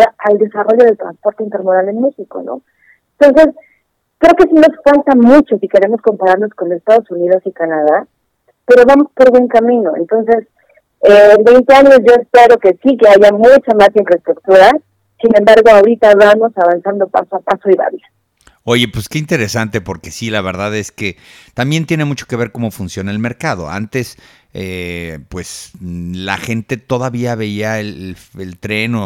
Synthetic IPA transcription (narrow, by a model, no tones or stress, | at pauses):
aald̪e̞saro̞ʝo̞ð̞elt̪ɾa̰nspo̞ɾt̪e̞int̪e̞ɾmoðalenmexiko̞̰no̞̰ | ent̪o̞nse̞s | kɾe̞oke̞sino̞sfalt̪amut͡ʃo̞sike̞ɾe̞mo̞sko̞mpaɾaɾno̞sko̞nlosest̪aðo̞suniðo̞sikanaða | pe̞ɾo̞βamo̞spo̞ɾβwe̞ŋkamĩno̞ḛnt̪o̞nse̞s | ebe̞jnt̪e̞aɲo̞zʝo̞espe̞ɾoke̞sike̞aʝamut͡ʃamasiɱfɾaest̪ɾuk̚t̪uɾa | sine̞mbaɾɣo̞awɾit̪aβamo̞saβansand̪o̞pa̰soapasoiβa̰βjo | o̞ʝe̞pweske̞int̪e̞ɾe̞sant̪e̞po̞ɾke̞silaβe̞ɾðaðe̞ske̞ | t̪ambje̞nt̪je̞ne̞mut͡ʃo̞̥ke̞β̞e̞ɾko̞mo̞funsjo̞naelme̞ɾkað̞o̞̰a̰nt̪e̞s | epwe̞sla̰xe̞nt̪e̞t̪o̞ðaβiaβe̞iaelelelt̪ɾe̞no